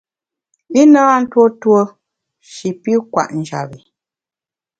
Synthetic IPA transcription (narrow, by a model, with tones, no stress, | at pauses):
i˦naː˦˨n̩˦two˦two˦ | ʃi˨pi˦kwa̰˦˨ʔn̩˨d͡ʒa̰˨bi˨